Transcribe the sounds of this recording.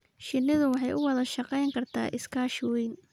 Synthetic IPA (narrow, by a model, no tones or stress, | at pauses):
ʃɪnːɪðʊwɑħɑjʊwɑðɐʃɑqɛjŋkʰɐrt̪ʰa̰ːʔɪskʰaːʃwɛjn